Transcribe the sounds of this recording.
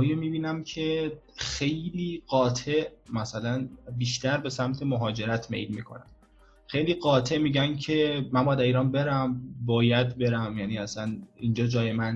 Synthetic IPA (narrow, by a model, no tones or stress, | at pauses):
jemiːbiːnæmcʰe̞ | xe̞jliːɢɒːt̪ʰe̞ʔmæsælænbiːʃt̪æɾbe̞sæmt̪ʰemoɦɒːd͡ʒe̞ɾæt̪ʰmḛjlmḭːkʰo̞̰næ̰m | xe̞jliːɢɒːt̪ʰe̞ʔmiːɟæncʰe̞mænmbɒːjæd̪æɾiːɾɒːnbe̞ɾæmbɒːjæd̪be̞ɾæmjæːniːæsænind͡ʒɒːd͡ʒɒːjemæn